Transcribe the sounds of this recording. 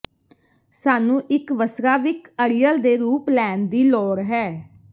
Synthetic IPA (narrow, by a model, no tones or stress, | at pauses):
saːnũːʔɪkʋəsɾaːʋɪkəɾɪjəld̪eːɾuːplɛːnd̪iːlɔːɾɦɛː